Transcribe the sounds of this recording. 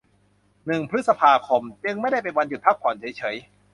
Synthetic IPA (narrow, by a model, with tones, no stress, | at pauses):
nɯ˨˩ŋpʰɾɯ˦˥t̪̚sa˧pʰaː˧kʰo˧mt͡ɕɯ˧ŋma˥˩jda˥˩jpe˧nwa˧nju˨˩t̪̚pʰa˦˥k̚pʰɔː˩˦nt͡ɕʰːjt͡ɕʰɤ˩˦j